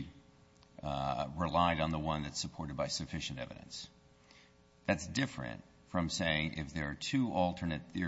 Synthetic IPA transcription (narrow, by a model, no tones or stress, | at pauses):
ɹɪlaɪɾn̩ðəwʌ̃nðɨtsəpʰɔɹɾɨd̚baɪsɨfɪʃɨ̃n̩tɛ̰vɨ̰ɾɨ̰̃ns | ðætsd̥ɪfɹɨ̰̃nt | fɹʌ̃mseɪɪ̃ŋʔɪ̰fðə˞ːtʰʉʔɔlˠtʰə˞nɨt̪̚θɪ